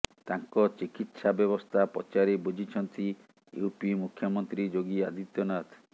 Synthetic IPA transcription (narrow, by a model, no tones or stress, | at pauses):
t̪aŋkɔt͡ʃikit̪sabjɔβɔst̪ʰapɔ̰t͡ʃaɾebod͡ʒʱit͡ʃʰɔnt̪i | ṵupimukʰjɔmɔnt̪ɾid͡ʒoɡiad̪ʱit̪jɔnat̪ʰ